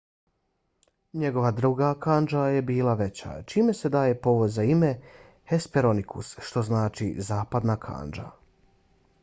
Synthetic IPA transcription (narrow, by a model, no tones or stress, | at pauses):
ɲe̞ɡo̞ʋad̪ɾuɡakand͡ʒaje̞biːlaʋe̞t͡ɕa̰t͡ʃiːme̞se̞d̪aːje̞po̞ʋod̪zaime̞ | hespeɾo̞nikʰṵsʃt̪o̞znaːt͡ʃḭzaːpad̪naːkʰa̰ːnd͡ʒa̰